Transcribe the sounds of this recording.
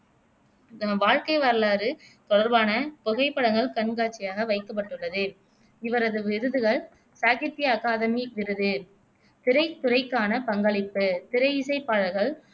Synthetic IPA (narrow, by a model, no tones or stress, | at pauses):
ʋaːɻkɐɪʋɐɾɐlaːɾɯt̪ɔɽɐɾbaːnɐpʊɣɐɪpːɐɽɐŋɡɐɭkɐɳɡaːt͡ʃːɪjaːɣɐʋɐɪkːɐp̬ːɐʈːɯɭːɐðɯ | ɪʋɐɾɐðɯʋɪɾɯðɯɣɐɭ | saːɣɪt̪ːɪjɐːkaːðɐmiʋɪɾɯðɯ | t̪ɪɾɐɪt̪ːʊɾɐɪkːaːnɐpɐŋɡɐɭɪpːɯt̪ɪɾɐɪɪsɐɪpːaːɻɐɾɣɐɭ